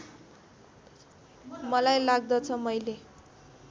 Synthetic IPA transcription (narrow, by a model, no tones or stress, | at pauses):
mʌlajlaɡ̚d̪ʌt͡sʰʌmʌjle